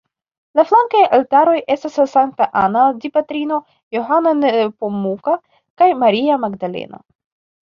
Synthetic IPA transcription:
laflaŋkajaltaɾo̞jʔe̞stasasaŋk̚taʔanadipatɾino̞ | joɦananepomːuka | kajmaɾiamaɡdale̞̰na̰

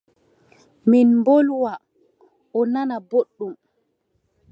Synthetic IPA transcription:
minmbolwa | ɔnanaboɗːum

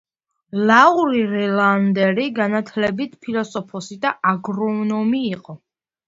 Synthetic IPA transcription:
lauɾiɾɛland̪ɛɾiɡanat̪ʰlɛbit̪ʰpʰilɔsɔpʰɔsid̪aʔaɡɾɔnɔmiːqʼɔ

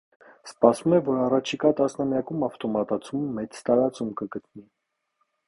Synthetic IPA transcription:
spɑsumɛvɔɾɑrɑt͡ʃʰikɑt̪ɑsnɑmjɑkumɑft̪ɔmɑt̪ɑt͡sʰumːɛt͡st̪ɑɾɑt͡sumkəɡət̪̚ni

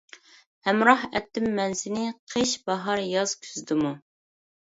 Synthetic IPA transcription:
hɛmɾɑhɛt̪ːɪmːɛnsɪnɪqʰeʃbɑɦɑɾjɑz̥kʲʰy̥zd̪ɪmu

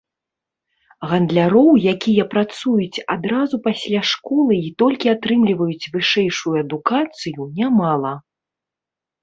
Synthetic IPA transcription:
ɣɐnd̪lʲaɾɔwjakʲijɐpɾat̪sujut͡sʲad̪ɾazupasʲlʲaʂkɔlˠɨit̪ɔlʲkʲiat̪ɾɨmlʲivɐjut͡sʲvɨʂɛjʂujuɐd̪ukat̪sɨjunʲamalˠɐ

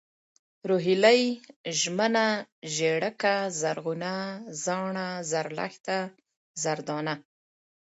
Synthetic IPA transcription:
ɾoɦilajʒmənaʒeɽəkazaɾɣunazɑɳazaɾla̰xt̪a | zaɾd̪ɑna

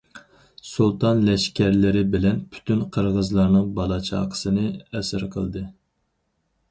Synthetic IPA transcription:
sulˠt̪ʰɑnlɛʃkʲæɾlɪɾɪbɪlɛnpʰy̥t̪ʰynqʰəɾʁəzlˠɑɾnɨŋbɑlˠɑt͡ʃʰɑ̰ːqʰə̥sɨnɨɛsɪɾqʰəlˠd̪ɨ

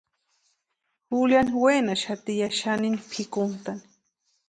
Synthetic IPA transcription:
xuljanwenaʃat̪ijaʃaninipʰikʊnt̪ani̥

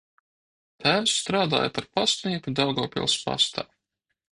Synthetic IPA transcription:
t̪æːwsːt̪ɾaːd̪a̰ːjapaɾpast̪niɛkud̪awɡɔːpʲḭlˠspa̰st̪a̰ː

